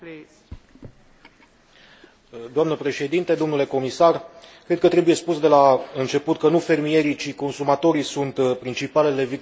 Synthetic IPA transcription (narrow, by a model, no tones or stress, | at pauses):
d̪oamnəpɾe̞ʃe̞d̪int̪ed̪o̞mnule̞ko̞misarkɾed̪̚kət̪ɾebuje̞spusd̪e̞laɨnt͡ʃe̞put̪̚kənufe̞rmije̞ɾit͡ʃiko̞nsumat̪o̞ɾisunt̪pɾint͡ʃipale̞le̞vik